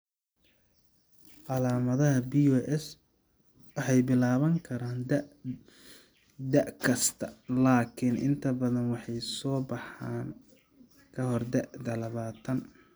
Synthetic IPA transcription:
ʔɑlaːmɐðɐɦɐbiɔʔɛs | wɑħɑjbɪlaːβɐŋkʰɐɾaːnd̪ | d̪ɐʔkʰɐst̪ʰɐlaːkʰɪnʔɪ̰nt̪ʰɐbɐðɐnwɑħɑjsɔːbɑħaːn | kʰɐɦɔrd̪ɛʔd̪ɐlɐβaːt̪ʰɐn

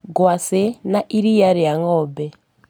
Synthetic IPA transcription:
ɡwasɛnaʔiɾijaɾiaŋɔːbɛ

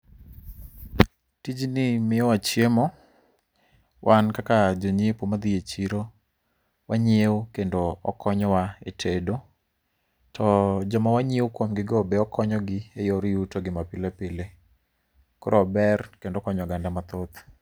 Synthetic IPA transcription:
tid͡ʒnɪmɪɔwat͡ʃjemɔ | wʔankakad͡ʒoɲepwomad̪iet͡ʃiɾo | waɲewkendoɔ̰kɔɲɔwaetʰedo | tʰɔd͡ʒɔmawaɲewkwomɡɪɡɔbeɔkʰɔɲɔɡɪejoɾijutoɡɪmapɪlepɪle | koɾɔbɛrkendokɔɲɔɡandamat̪ot̪

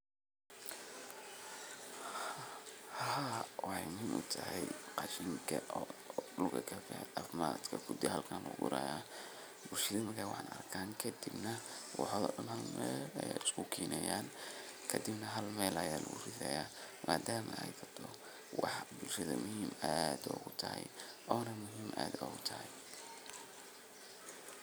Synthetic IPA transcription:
hɐhaːɔɛjmʊɦiːmʔʊ̰t̪ʰɐhɛjqɑʃiːŋkʰɐɔɖʊlɡɐkʰɐkɐafmaːd̪kʰɐkʰʊd̪ɪhɐlkʰaːnlɔ̰ːɣʊ̰ɾaːjaː | bʊlʃɐɪðɐmkʰawɑħɑ̰ːnɐrkʰaːŋkʰɐd̪ibnɐwɑħɔðɔ̰ːɗɐnhɐlmɛːlɐja̰ɪskʰʊkʰiːnɛjaːnkʰɐd̪ɪbnɐɦɐlmɛːlɐjaːlɐɣʊ̰rɪðɛjaːmʔaːd̪aːmɐɛjkʰɐt̪ʰɔ | wɑħbʊlʃɐðɐmʊhiːmad̪ɔːɣʊt̪ʰɐhɛ̰jɔːnɐmʊɦiːmʔa̰ːd̪ɔːɣʊt̪ʰɐhɛj

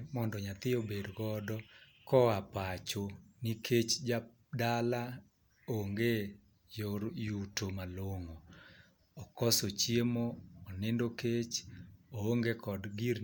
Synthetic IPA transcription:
mɔndɔɲat̪ɪobedɡɔdɔ | kɔapat͡ʃonikʰet͡ʃd͡ʒa | dala | oŋɡe | joɾjutomaloŋoː | kɔsot͡ʃjemoːnɪndoket͡ʃooŋɡekɔdɡiɾ

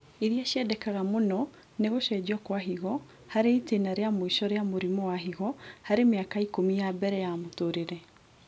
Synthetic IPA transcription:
iðiaʃjɛdɛkaɣamonɔ | neɣoʃɛd͡ʑɔkwaɦiɣɔ | haɾetenaɾeamoiʃɔɾeamoɾimɔwaɦiɣɔhaɾemeakaikomijabɛɾɛjamotoɾeɾɛ

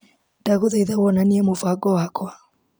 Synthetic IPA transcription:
d̥aɣoðaiðawɔnaniɛmovaɡɔwakwa

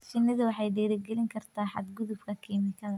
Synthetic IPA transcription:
t͡ʃɪnːɐðʊwɑħɑjɖɛːɾɛɡɛlɪŋkʰɐrt̪ʰaːħɑ̰d̪ɡʊðʊbkʰɐkʰiːmɪkʰɐðɐ

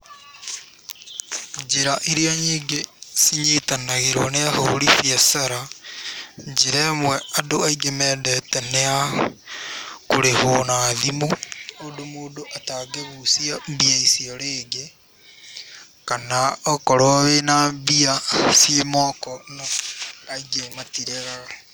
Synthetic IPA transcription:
ɲd͡ʒeɾaʔiɾiaɲiːŋɡesiɲitanaɣeɾwɔneahoɾifiasaɾa | ɲd͡ʒeɾɛmwɛadoaiɡemɛdɛtɛnea | koɾehonaðimoodomoːdoʔataɡeβusiabiaisioɾeːɡe | kanaɔkɔɾoβenambiasiemɔkɔnoaiɡematiɾeɣaɣe

